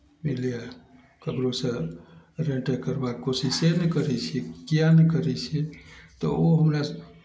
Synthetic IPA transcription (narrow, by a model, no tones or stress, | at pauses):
milija | kəbɾosə̃ | ɾeɳʈəkəɾbakkosisenɛkəɾɛt͡ʃʰɛkijanɛkəɾɛt͡ʃʰɛt̪ɔ̰oɦəmɾa